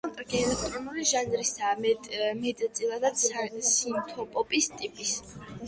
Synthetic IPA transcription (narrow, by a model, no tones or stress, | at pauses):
ɔnt̪ʼɾɡɛlɛkʰt̪ʼɾɔnuliʒanɾisaːmɛmɛd̪ʼt̪sʼilˠad̪at̪ssint̪ʰɔpʼɔpʼist̪ʼipʼis